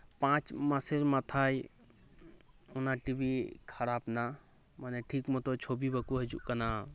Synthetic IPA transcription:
pãt͡ʃmasɛɾmat̪ʰaj | ɔnaʈibikʰaɾapna | manɛʈʰikmɔt̪ɔt͡ʃʰobibəkuɦɛd͡ʒṵʔkana

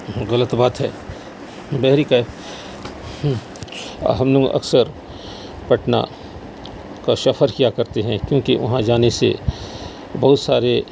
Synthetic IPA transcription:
ɣɐlət̪baːt̪ɦɛː | bɛɦɾika | ɦɐmloɡ̰ʔɐ̰ksəɾ | pɐʈna̰ | kaʃɐfʰəɾkijakɐɾt̪eɦɛ̃kjõːkiʋɐ̰ɦãd͡ʒaːnesḛ | bɐɦʊt̪saːɾe

